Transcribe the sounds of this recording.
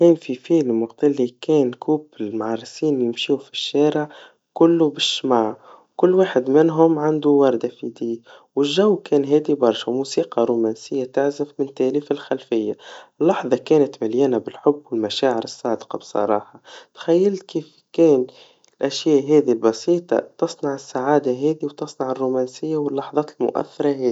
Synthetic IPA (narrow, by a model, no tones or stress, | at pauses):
kɛːnfifiːlmwɑqt̪alːikɛːnkʰuːbmʕɑɾˤːsiːnjɪmʃuːfi̥ʃːæːɾɪʕ | kʊlːubɪʃːmaːʕ | kʊlːwaːħɪd̪mɪnɦʊmʕand̪uwɑɾˤd̪afid̪iːwɪlʒawːkɛːnɦɛːd̪ibɑɾˤʃamusiːqɑɾuːmæːnsɪjːat̪aʕzɪfmɪnt̪æʔliːfɪlxælfɪjːaɪlːɑħðˤɑkɛːnat̪maljæːnabɪlħʊbːwɪlmæʃaːʕɪɾɨsˤːɑːd̪qɑbsˤɑ̰ɾˤɑːħɑt̪xæjːɪlt̪kiːf | kɛːn | ɪlʔæʃjæːʔɦɛːd̪ilbɑsiːt̪ˤɑ̰t̪ɑsˤnɑʕɪsːaʕaːd̪aɦɛːd̪iwt̪ɨsˤnɑʕɪrːumænsɪjːawɪlːɑħðˤɑːt̪lmʊ̰ʔæ̰θːɑɾˤɑɦɛːi